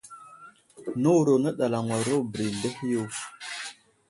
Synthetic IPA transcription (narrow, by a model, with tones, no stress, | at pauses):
nə˦wɾo˨nə˦ɗa˨la˨ŋwa˨ɾo˦bɾi˨ndə˦hju˦˨w